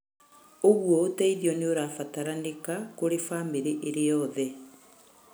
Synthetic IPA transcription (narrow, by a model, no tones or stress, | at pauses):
oɣwɔotɛiðiɔneoɾaːfataɾanekakoɾefaːmbeɾeʔeɾejɔðɛ